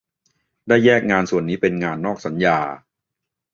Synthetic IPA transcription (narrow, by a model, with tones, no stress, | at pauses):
daː˥˩jːɛː˥˩k̚ŋaː˧nsu˨˩ənːiː˦˥pe˧nŋaː˧nːɔː˥˩k̚sa˩˦njaː˧